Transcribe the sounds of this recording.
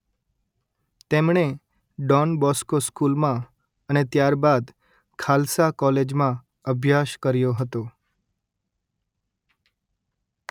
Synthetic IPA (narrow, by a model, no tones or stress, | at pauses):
t̪emɳe | ɖɔnbɔskoskulmã | ənet̪jaɾbad̪ | kʰalsakɔled͡ʒmã | əbʱjaʃkəɾjoɦət̪o